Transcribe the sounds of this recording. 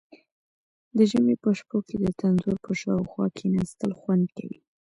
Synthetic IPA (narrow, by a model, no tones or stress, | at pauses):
d̪əʒəmepəʃpoked̪ət̪ʰanzoɾpəʃɑwxwɑkʰenast̪əlxwand̪ka̰wḭ